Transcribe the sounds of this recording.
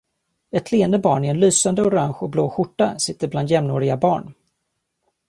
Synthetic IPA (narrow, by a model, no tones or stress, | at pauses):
ɛt̪ʰleːənd̪əbɑːɳɪɛnlyːsand̪əʊɾaŋɧɔbloːɧʊʈːasɪt̪ːəɾbland̪jɛmnoːɾɪɡabɑːɳ